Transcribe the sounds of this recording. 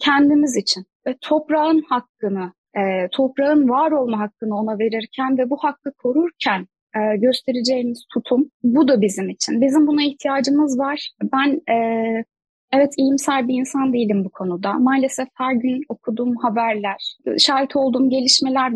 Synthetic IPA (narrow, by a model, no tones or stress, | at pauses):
cʰɛnd̪imizit͡ʃʰin | t̪ʰo̞pɾaɯnhakːɯnɯ | ɛːt̪ʰo̞pɾaɯnvaːɾo̞lˠmaɦakːɯnɯo̞nave̞ɾiɾcʰænvɛbuhakːɯkʰo̞ɾuɾcʰæn | ɛːɟø̞st̪ʰe̞ɾed͡ʒe̞jimiz̥t̪ʰut̪ʰumbud̪abizimit͡ʃʰinbizimbunaiht̪ʰijaːd͡ʒɯmɯzvaɾ̥bænɛː | evɛt̪ʰijimsælʲbiːnsand̪ejilʲimbukʰo̞nud̪amaːlʲe̞sɛfhæɾɟyno̞kʰud̪uːmhabæɾlʲæɾ̥iʃaːɾɛt̪ʰo̞lˠd̪uːmɟe̞lʲiʃme̞lʲæɾ